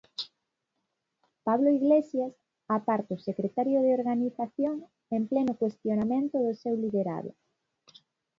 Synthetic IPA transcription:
paβloiɣlesjas | apaɾt̪ʊsekɾet̪aɾjoðeoɾɣaniθaθjoŋ | emplenʊkwest̪jonamẽnt̪ʊðʊsewliðeɾa̰ðo̰

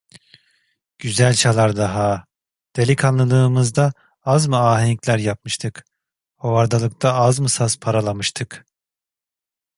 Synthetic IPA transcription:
ɟ̥yzælʲt͡ʃʰalˠaɾd̪aɦa | d̪̥e̞lʲikʰanlˠɯlˠɯːmɯzd̪a | azmɯaːɦenclʲæɾjap̚mɯʃt̪ʰɯk | hovaɾd̪alˠɯk̚t̪ʰaazmɯsaspʰaɾalˠamɯʃt̪ʰɯk

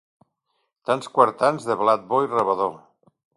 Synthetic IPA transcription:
t̪anskwaɾt̪anzðəβlat̪̚boirəβaðo

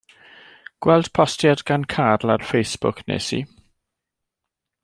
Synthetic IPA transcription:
ɡ̥wɛlˠd̥pʰɔstjadɡankʰadlˠarfejsb̥ʊ̰kʰnɛ̰ːsḭ

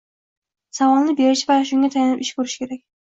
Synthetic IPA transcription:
savɒlˠnɪbeɾɪʃɪvajʃʊŋɡʲat̪ʰajanɪpɪʃkʲɵɾɪʃkʲʰe̞ɾak̚ʲ

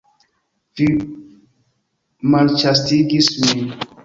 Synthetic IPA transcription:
fi | mãnt͡ʃastiɡiswi

